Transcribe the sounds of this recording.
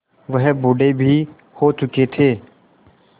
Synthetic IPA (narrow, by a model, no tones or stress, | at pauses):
ʋəɦbʊɖebʱiː | hoːt͡ʃʊket̪ʰeː